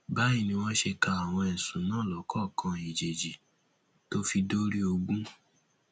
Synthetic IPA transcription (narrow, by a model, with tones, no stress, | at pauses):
ba˨˦i˦˨nĩ˧w̃ɔ̃˦ʃe˧ka˧a˨w̃ɔ̃˧ɛ˨sũ˨˦nãː˦˨lɔ˨˦kɔ˦˨kã˧i˨d͡ʒe˨d͡ʒi˨ | to˦fi˧do˦ɾi˦o˧ɡ͡bũ˦